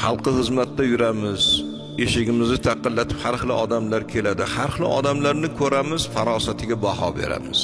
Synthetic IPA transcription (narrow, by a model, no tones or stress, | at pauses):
hɑlˠqɨhɨzmat̪ːajʊɾamɪz̥ | eʃɪɡʲɪmɪznɪt̪ʰɑqːɨnlat̪ʰɪ̥phaɾχɨlˠɪ̰ʔɒd̪amlaɾkʲʰe̞lad̪ɪhaɾχɨlˠɪ̰ʔɒ̰d̪amlaɾnɪkʰɵɾamɪz̥faɾɒsat̪ʰɪɡʲabahɒ̰be̞̰ɾa̰mɪz̥